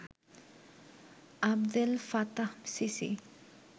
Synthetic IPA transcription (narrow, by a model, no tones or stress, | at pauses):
abd̪elfat̪ahmsisḭ